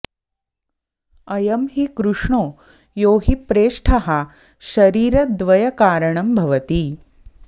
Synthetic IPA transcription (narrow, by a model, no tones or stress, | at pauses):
ɐjɐmɦikɾuʂɳoː | joːɦipɾeːʂʈʰɐɦɐ | ʃɐɾiːɾɐd̪ʋɐjɐkaːɾɐɳɐmbʱɐʋɐt̪i